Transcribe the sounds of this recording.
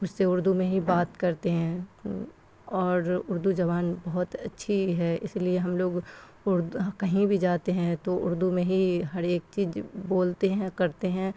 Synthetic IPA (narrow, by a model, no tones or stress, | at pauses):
mʊd͡ʒʰseʊɾd̪umẽɦibaːt̪kɐɾt̪eɦɛ̃ | ɔːɾʊɾd̪ud͡ʒɐʋaːnbɐɦʊt̪ɐtːʃʰiɦɛɪ̰slieɦɐmloːɡ | ʊɾd̪kɐɦĩbʱid͡ʒaːt̪eɦɛ̃t̪oʊ̰ɾd̪umẽɦiɦɐɾeːk̚t͡ʃiːzboːlt̪eɦɛ̃kɐɾt̪eɦɛ̃ː